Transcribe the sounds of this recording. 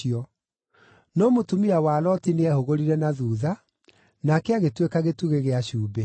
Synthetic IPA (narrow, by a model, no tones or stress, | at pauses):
iɔ | nɔmotumiawaːlɔtineɛhoɣoɾiɾɛnaðuːða | nakɛaɣetwekaɣetuɣeɣeaɕuːbɛ